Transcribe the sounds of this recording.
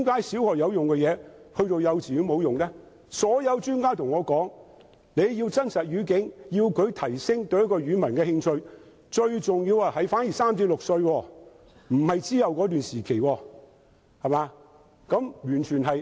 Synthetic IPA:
mkaː˨˥jsi˨˥whɔː˨˩jɐ˨˧wjʊ˨ŋkɛː˧jɛː˨˧hɵ˧ɥt̪o˨˧wjɐ˨˧wt͡siː˨˥mo˨˧wjʊ˨ŋlɛː˥ | sɔː˨˥jɐ˨˧wt͡ʃyː˥nkaː˥t̪ʰʊ˨˩ŋɔː˨˧kɔː˨˥ŋ | ne˨˧jji˧wt͡sɐ˥nsɐ˨t̚ɥyː˨˧k̬ɪ˨˥ŋjiː˧wkʰɵ˨˧ɥt̪ʰɐ˨˩jsɪ˥ŋt̪ɵ˧ɥjkːɔː˧jɥyː˨˧mɐ˨˩nkɛː˧hɪ˧ŋt͡ʃʰɵ˧ɥ | t͡ʃɵ˧ɥt͡sʊ˨ŋjiː˧wa˧˩hɐ˨˧jfaː˨˥nji˨˩saː˥mt͡siː˧p̚lʊ˨k̚sɵ˧ɥwɔː˧ | m̩˨˩hɐ˨jt͡siː˥jɐ˨wkɔː˨˥t̪yː˨nsiː˨˩kʰe˨˩jwɔː˧ | hɐ˨˩maː˨˧ | kɐ˨˥mjyː˨˩nt͡ʃʰyː˨˩nɦɐ˨j

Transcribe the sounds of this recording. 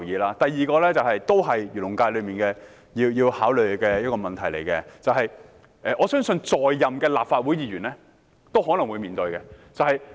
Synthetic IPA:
jiː˨˧laː˥t̪ɐ˨jːiː˨kɔː˧lɛː˥t͡sɐ˨wɦɐ˨jt̪o˥wɦɐ˨jjyː˨˩lʊ˨˩ŋkaː˧jlɵ˨˧ɥmiː˨˩nkɛː˧ | jiː˧wjiː˧whaː˨˥wlɵ˨ɥkɛː˧jɐ˥t̚kɔː˧mɐ˨nt̪ʰɐ˨˩jle˨˩jkɛ˧t͡sɐ˨wɦɐ˨j | ʔɛː˨˩ʔɔː˨˧sœː˥ŋsɵ˧nt͡sɔː˨jːɐ˨mkɛː˧laː˨p̚faː˧t̚wu˨˥jiː˨˧ɥyː˨˩nlɛː˥ | t̪o˥wɦɔ˨˥lɐ˨˩ŋwuː˨˧jmiː˨nt̪ɵ˧ɥkɛ˧t͡sɐ˨˧whɐ˨j

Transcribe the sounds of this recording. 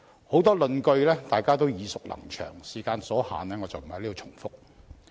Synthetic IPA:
ho˨˥wt̪ɔː˥lɵ˨˧nkɵ˧ɥlɛː˥t̪aː˨jkaː˥t̪o˥wjiː˨˧sʊ˨k̚lɐ̰˨˩ŋt͡ʃʰœ̰ː˨˩ŋsiː˨˩kaː˧nsɔː˨˥ha̰ː˨nlɛː˥ŋɔ˨˧t͡sɐ˨wm̩˨˩hjliː˥o˧t͡ʃʰʊ˨˩ŋfʊ˥k̚

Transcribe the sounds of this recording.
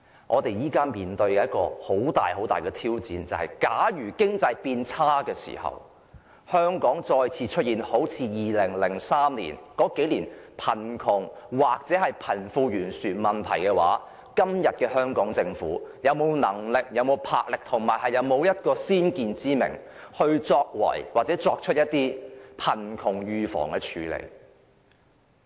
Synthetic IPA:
ʔɔː˨˧t̪e˨jjiː˥kaː˥nmiː˨nt̪ɵ˧ɥkɛ˧jɐ˥t̚kɔ̰ː˧ho˨˥wt̪a̰ː˨jɦo˨˥wt̪aː˨jkɛː˧t̪ʰiː˥wt͡sḭː˨˥nt͡sɐ˨˧whɐ̰˨jkaː˨˥jyː˨˩kɪ˥ŋt͡sɐ˧jpiː˧nt͡sʰaː˥kɛː˧sḭ˨˩hɐ̰˨˩w | hœː˥ŋkɔː˨˥ŋt͡ʃɔː˧jt͡sʰiː˧t͡ʃʰɵ˥t̚jiː˨nho˨˥wt͡sʰiː˧jiː˨lɪ˨˩ŋlɪ˨˩ŋsaː˥mlḭː˨˩nkɔː˨˥ke˨˥jliː˨˩npʰɐ˨˩nkʰʊ˨˩ŋwaː˨k̚t͡sɛː˨˥hɐ˨jpʰɐ˨˩nfuː˧jyː˨˩nsyː˨˩nmɐ˨nt̪ʰɐ̰˨˩jkɛː˧wa̰ː˨˥ | kɐ˥mjɐ˨t̚kɛː˧hœː˥ŋkɔː˨˥ŋt͡sɪ˧ŋfṵː˨˥jɐ˨˧wmo˨˧wnɐ˨˩ŋlɪ˨k̚jɐ˨˧wmo˨˧wpʰa̰ː˧k̚lɪ˨k̚t̪ʰʊ˨˩ŋmaː˨˩jhɐ˨jɐ˨˧wmo˨˧wjɐ˥t̚kɔː˧siː˥nkiː˧nt͡siː˥mɪ̰˨˩ŋ | hɵ˧ɥt͡sɔː˧k̚wɐ̰˨˩jwaː˨k̚t͡sɛː˨˥t͡sɔː˧k̚t͡ʃʰɵ˥t̚jɐ˥t̚t̪iː˥pʰɐ˨˩nkʰʊ˨˩ŋjyː˨˧fɔ̰ː˨˩ŋkɛː˧t͡ʃʰyː˨˧lḛ˨˩j

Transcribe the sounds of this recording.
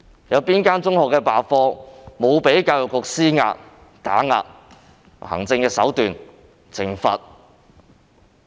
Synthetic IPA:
jɐ˨˧wpiː˥nkaː˥nt͡sʊ˥ŋhɔː˨kːɛː˧paː˨fɔː˧mo˨˧wpe˨˥jkaː˧wjʊ˨kkʊ˧k̚siː˥ŋa̰ː˧t̚ | t̪a̰ː˨˥ŋa̰ː˧t̚ | hɐ̰˨˩ŋt͡sɪ˧ŋkɛː˧sɐ̰˨˥wt̪yː˨n | t͡sʰɪ˨˩ŋfɐ̰˨t̚

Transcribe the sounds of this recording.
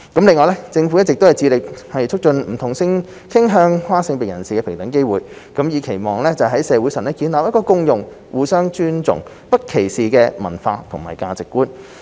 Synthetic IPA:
kɐ˨˥mlɪ˨˧ŋɔː˨jlɛ˥t͡sɪ˧ŋfu˨˥jɐ˥t̚t͡sɪ˨k̚t̪hɐ˨jt͡siː˧lɪ˨k̚hɐ˨jt͡ʃʰɵ˥k̚t͡ʃɵ˧nm̩˨˩t̪ʰʊ˨˩ŋsɪ˧ŋ | kʰɪ˥ŋɦœː˧ŋhwaː˥sɪ˧ŋpe˨˩ŋjɐ˨˩nsiː˨kɛː˧pʰɪ˨˩ŋt̪ɐ˨˥ŋke˥jwuː˨˩j | kɐ˨˥mjiː˨˧kʰe˨˩jmɔː˨ŋlɛː˥t͡sɐ˨wɦɐ˨˥jsɛː˨˧wu˨˥jsɐ˨˩nlɛː˥kiː˨˥nlaː˨pjɐ˥tkɔː˧kʊ˥ŋjʊ˨ŋ | wuː˨sœː˥ŋt͡ʃyː˥nt͡sʊ̰˨˩ŋ | pɐ˥t̚kʰe˨˩jsiː˨kɛː˧mɐ̰˨˩nfaː˧t̪ʰʊ˨˩ŋmaː˨˩jkaː˧t͡sɪ˨kːuː˥n

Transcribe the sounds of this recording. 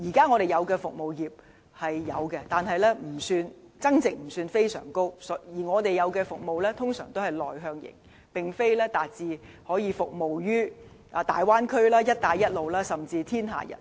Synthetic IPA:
jiː˨˩kaː˥ŋɔː˧ɾe˨jɐ˨˧wkɛː˧fʊ˨k̚mo˨wjiː˨˩p̚ | hɐ˨jːɐ˨˧wkɛ˧t̪aː˨nɦɐ˨jlɛː˥m̩˨˩syː˧n | t͡sɐ˥ŋt͡sɪ˨k̚m̩˨˩syː˧nfe˥jsœ̰ː˨˩ŋko˥wsɔ˨˥jiː˨˩ŋɔː˨˧t̪e˨jɐ˨˧wkɛː˧fʊ˨k̚mo˨wlɛː˥t̪ʰʊ˥ŋsœː˨˩ŋt̪o˥whɐ˨jlɔː˨˩jɦœː˧ŋjɪ̰˨˩ŋ | pɪ˨ŋfe˥jlɛː˥t̪aː˨t̚t͡siː˧ | hɔː˨˥jiː˨˧fʊ˨k̚mo˨wjyː˥ | ʔa˧t̪a̰ː˨jwaː˥nkʰɵ˥ɥlaː˥jɐ˥t̚t̪aː˨jɐ˥t̚lo˨wlaː˥sɐ˨mt͡siː˧t̪ʰiː˥nɦa̰ː˨˩jɐ̰˨˩n

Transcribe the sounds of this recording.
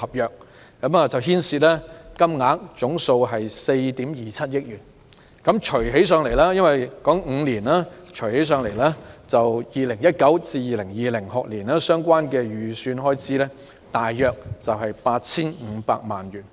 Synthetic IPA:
hɐ˨p̚jœː˨k̚ː | ɐ˨˥maː˨t͡sɐ˨wɦiː˥nsiː˧t̚lɛː˥kɐ˥mŋaː˨˥k̚t͡sʊ˨˥ŋso˧wɦɐ˨jse˧jt̪iː˨˥mjiː˨t͡sʰɐ˥t̚jɪ˥k̚jyː˨˩n | kɐ˨˥mt͡ʃʰɵ˨˩ɥɦe˨˥js̬œː˧ŋle˨˩jlaː˥jɐ˥nwɐ˨jkɔː˨˥ŋŋ̩˨˧liː˨˩naː˥t͡ʃʰɵ˨˩ɥhe˨˥js̬œː˧ŋle˨˩jlaː˥t͡sɐ˨wjiː˨˩lɪ˨˩ŋjɐ˥t̚kɐ˨˥wt͡siː˧jiː˨lɪ˨˩ŋjiː˨lɪ˨˩ŋhʊ˨k̚liː˨˩naː˥sœː˥ŋkʷwaː˥nkɛː˧ɥyː˨˩syː˧nɦɔː˥jt͡siː˥lɛː˥ | t̪aː˨jːœː˨˧k̚t͡sɐ˨wɦɐ˨jpaː˧t̚t͡sʰiː˥nŋ̩ː˨˧pa̰ː˧k̚ma̰ː˨nɥyː˨˩n

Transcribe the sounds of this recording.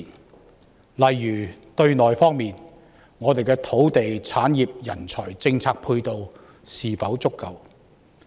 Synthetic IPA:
lɐ˨jːyː˨˩t̪ɵ˧ɥnɔː˨˩jfɔː˥ŋmiː˨n | ŋɔː˨˧t̪e˨jkɛː˧t̪ʰo˨˥wt̪e˨jt͡sʰaː˨˥njiː˨p̚jɐ̰˨˩nt͡sʰɔː˨˩jt͡sɪ˧ŋt͡sʰaː˧k̚pʰuː˧jt̪o˨˧w | siː˨fɐ˨˥wt͡sʊ˥kːɐ˨w

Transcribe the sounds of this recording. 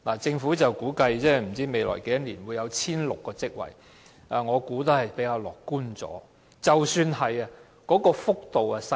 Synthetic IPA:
laː˨˩t͡sɪ˧ŋfu˨˥t͡sɐ˨wkuː˨˥kɐ˧jt͡sɛː˥m̩˨˩t͡siː˥me˨jlɔ̰ː˨˩jke˨˥jɐ˥niː˨˩nwuː˨˧jɐ˨˧wt͡sʰiː˥nlʊ˨kːɔː˧t͡sɪ˥k̚wɐ̰˨˩j | ɐ˨ŋɔː˨˧kuː˨˥t̪ɐ˧˥hɐ˨jpe˨˥jkaː˧wlɔ̰ː˨kkːuː˥nt͡sɔ̰ː˨˥ | t͡sɐ˨wsyː˧nɦɐ˨jɐ˧ | kɔː˨˥kɔː˧fʊ˥k̚t̪o˨wɐ˨sɐ˧

